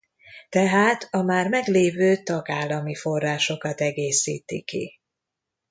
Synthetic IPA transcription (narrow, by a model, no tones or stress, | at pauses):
t̪ɛɦaːt̪ʰɒmaːrmɛɡleːvøːt̪ɒɡaːlːɒmifo̞rːaːʃo̞kɒt̪ɛɡeːsḭːt̪ḭkḭ